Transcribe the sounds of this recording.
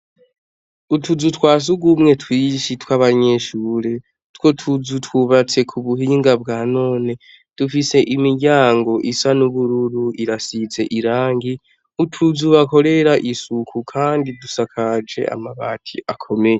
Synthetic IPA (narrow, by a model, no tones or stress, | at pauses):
utʰuzutwaːs̬uɡumŋe̞twiːʃitwaβaɲe̞ʃuːɾe̞ | two̞tʰuzutwuβat͡se̞kʰuβuhiːŋɡabɡaːno̞ːne̞ | d̥ufise̞ʔimiɾɟaːŋɡo̞ʔisanuβuɾuɾuiɾasit͡se̞ʔiɾaːŋɡi | utʰuzuβako̞ɾe̞ɾaʔisukʰukʰaːndidusakʰad͡ʒe̞̰ʔa̰maβa̰ːtʰḭʔakʰo̞me̞je